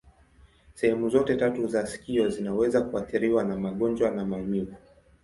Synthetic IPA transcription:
sɛhɛmuzɔtɛtatuzasi̥kiɔzinawɛzakuaθiɾiwanamaɠɔnd͡ʒwanamaɛmivu

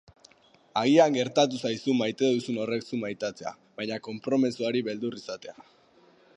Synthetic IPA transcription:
aɣiaŋɡe̞ɾt̪at̪usajsumajt̪e̞ðusuno̞re̞ksumajt̪at͡se̞a̰ | βajɲako̞mpɾo̞mesuaɾiβe̞ld̪urisat̪e̞a

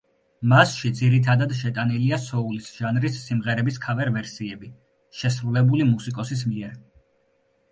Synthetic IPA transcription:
masʃid̪ziɾit̪ʰad̪ad̪ʃɛt̪ʼaniliasɔulisʒ̥anɾisːimʁɛɾɛbiskʰavɛɾvɛɾsiɛbi | ʃɛsɾulɛbulimusikʼɔsis̬miɛɾ

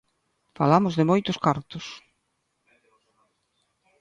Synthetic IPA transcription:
fa̰lamʊzðɪmojt̪ʊskaɾt̪ʊs

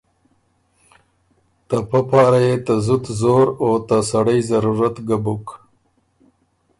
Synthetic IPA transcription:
t̪apapɑːɾajet̪azʊt̪zoɾot̪asaɽajzɐɾuɾat̪ɡabuk

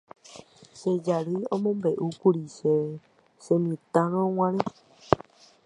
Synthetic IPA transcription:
ʃed͡ʒaɾɨõmõmbe̞ʔukuɾiʃe | semĩt̪ãɾ̃õw̃ãɾẽ

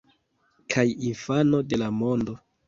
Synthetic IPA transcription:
kʰajinfano̞de̞lamo̞ndo̞

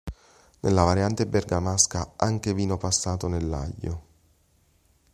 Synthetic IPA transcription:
nelːavaɾjant̪ebɛrɡamaskaaŋk̟eviːnopasːaːt̪onelːa̰ʎːo̰

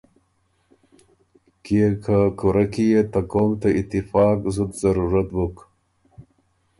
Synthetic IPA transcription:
kiekʰakuɾakijet̪akomt̪aɪt̪ɪfɑːkzud̪zaɾuɾat̪buk

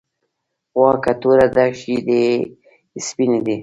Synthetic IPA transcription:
wɑkat̪uɾad̪aʃid̪e | spinid̪i

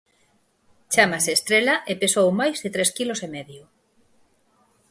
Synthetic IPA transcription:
t͡ʃamaseːst̪ɾelaʔepesowmajzðɪt̪ɾeskilosemɛðjʊ

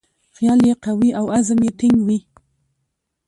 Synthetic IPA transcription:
xjɑljeqawiʔawazəmjet̪ɪŋɡwi

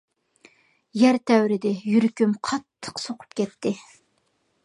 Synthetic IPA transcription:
jæɾt̪ʰɛwɾɪd̪ɪjyɾkʲymqʰɑt̪ʰːə̥qsoqʰʊ̥p̚kʲʰɛt̪ʰːɪ

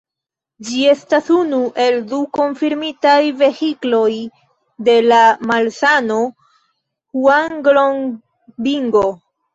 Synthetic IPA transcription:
d͡ʒie̞stasunuʔe̞lduko̞ɱfiɾmitajve̞xiklo̞j | de̞lamalsano̞ | huanɡloŋ | biŋɡo

